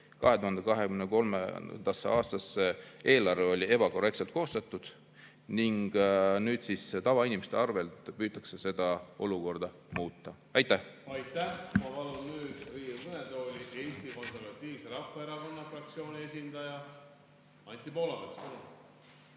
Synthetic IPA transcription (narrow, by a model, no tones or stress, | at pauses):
kɑ̰ɦe̞t̪uhɑnd̪ekɑɦe̞kymneko̞lmḛnd̪̥ɑsḛɑːst̪ɑsːeʔe̞ːlɑrveo̞lʲie̞b̥ɑko̞re̞k̚tse̞lt̪ko̞ːst̪ɑt̪ːˑud̪̥ | niŋɡ̥nyːd̪̥sist̪ɑvɑinimest̪eɑrve̞lt̪pyːt̪ˑːɑkse̞se̞d̪̥ɑo̞̰luko̞rd̪̥ɑ | muːt̪ːɑ | ɑjt̪ːæhɑjt̪ːˑæhmɑpɑlunnyːd̪̥riːukɯnet̪o̞ːlʲie̞ːsʲt̪iko̞nservɑt̪ʲːˑiːvseɾɑfːɑeɾɑko̞nːɑfrɑk̚t̪sio̞ːnʲie̞sʲind̪ɑjɑ | ɑnʲt̪ʲipo̞ːlɑbekspɑlu